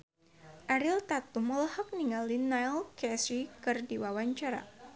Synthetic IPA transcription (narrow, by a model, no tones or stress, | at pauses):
ʔaɾilt̪at̪umɔlhɔk̚niŋalinajlkɛsɾikɨrdiwawaɲt͡ʃaɾa̰